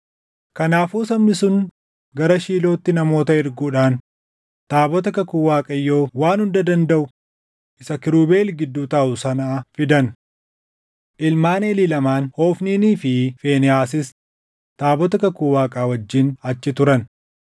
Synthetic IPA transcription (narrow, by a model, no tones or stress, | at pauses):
kɐnaːfuːsɐmnɪsʊn | ɡɐɾɐʃiːlo̞ːt̪ːɪnɐmo̞ːt̪ɐɪɾɡuːᶑaːn | t̪aːbɔt̪̬ɐkɐkuːwaːkʼɐjːo̞ːwaːnhʊnd̪ɐd̪ɐnd̪ɐʔʊ | ʔɪsɐkɪɾuːbe̞ːlɡɪd̪ːuːt̪aːʔʊsɐnaːfɪd̪ɐn | ʔɪlmaːnelɪlɐmaːnho̞ːfniːniːfɪfe̞ːnɛaːsɪs | t̪aːbɔt̪ɐkɐkuːwaːkʼaːwɐd͡ʒːɪnɐt͡ʃːɪt̪ʊɾɐn